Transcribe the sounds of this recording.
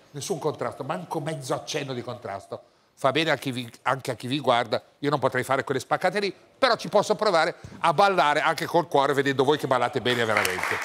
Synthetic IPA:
nesːuŋkont̪ɾast̪omaŋkomɛd̪zːoat͡ʃːɛnːod̪ikont̪ɾa̰st̪o | fabɛːneak̟ːiviaŋk̟eakːiviɡward̪a | iːonompot̪ɾɛjfaːɾekwelːespakːaːt̪eli | peɾɔt͡ʃipɔsːopɾovaːɾeabːalːaːɾeaŋk̟ekolkwɔːɾeved̪ɛnd̪ovoːjkebalːaːt̪ebɛːneveɾa̰ment̪e

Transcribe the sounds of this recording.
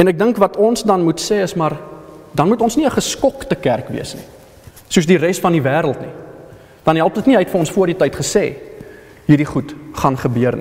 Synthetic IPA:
ɛnæk̚dəŋkvɐtɔnsdɐnmutsɛːəsmɐrdɐnmutɔnsniəχəskɔktəkærkvḭəsnḭ | suəsdiɾɛsfɐndivæːɾəlˠtni | d̥ɐnɦælˠp̚dətniɦɛtfəɾɔnsfuərditɐjtχəsɛ̰ː | ɦirdiχutχɐnχəbøərnḭ

